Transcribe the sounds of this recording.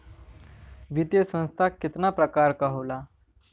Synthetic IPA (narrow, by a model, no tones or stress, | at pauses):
ʋit̪jesə̃ñst̪ʰakit̪napɾəkaɾkaɦola